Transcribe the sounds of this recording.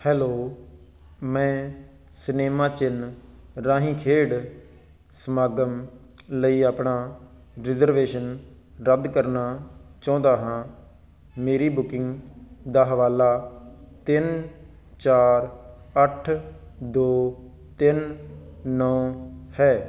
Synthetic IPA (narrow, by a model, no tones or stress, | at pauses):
hɛːloː | mɛ̃ː | sneːmãːt͡ʃɪnɾãːɦĩːkʰeːɽ | smaːɡəm | ləiːaːpɳaː | ɾɪzəɾʋeːʃən | ɾəd̪kəɾnaːt͡ʃɔ̃ːnd̪aːɦãː | meːɾiːbʊkɪŋɡd̪aːɦəʋaːlaːt̪ɪn | t͡ʃaːɾ | əʈʰd̪oː | t̪ɪnː | ɔ̃ːhɛː